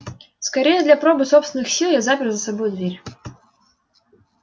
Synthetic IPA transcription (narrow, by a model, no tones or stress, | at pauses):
skaɾʲejəd̪lʲɐpɾɔbɨsɔpst̪ʲɪnːɨxsʲilˠjazapʲɪrzəsabojʊd̪vʲeɾʲ